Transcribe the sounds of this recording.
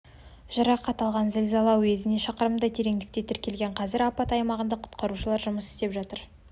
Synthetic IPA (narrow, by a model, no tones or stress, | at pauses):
ʒ̥əɾɑqːɑt̪ɑlˠʁɑnzɪlzɑlˠɑwe̞zɪne̞ʃɑqəɾəmd̪ɑt̪ʰeɾe̞ŋd̪ɪkt̪e̞t̪ʰɪɾkʲe̞lɡʲe̞ɴqʰɑzɪɾɑpɑt̪ɑjmɑʁənd̪ɑqʰʊ̥t̪qɑɾuʃəlˠɑɾʒʊməsɪ̥st̪e̞pʒɑt̪əɾ